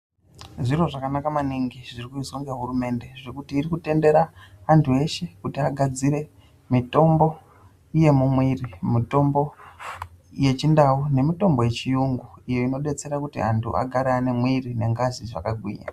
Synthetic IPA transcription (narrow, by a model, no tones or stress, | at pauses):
ʐiro̞ʐakanakamaniŋɡiʐirikuizoŋɡeɦurume̞nde̞ʐekutiːrikute̞nde̞ɾaːntʰue̞ʃe̞kutiaɡʱad͡ziɾe̞ | mito̞mbo̞ | ije̞mumwirimito̞mbo̞ | je̞t͡ʃindaune̞mito̞mbo̞je̞t͡ʃijuŋɡuijo̞ino̞ɗe̞t͡se̞ɾakutḭantʰṵʔa̰ɡʱaɾaːne̞mwirine̞ŋɡaziʐa̰kaɡʱwḭɲa̰